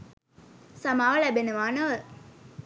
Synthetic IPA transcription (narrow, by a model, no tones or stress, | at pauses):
sɐmaːʋɐɭæbeneʋaːnɐʋə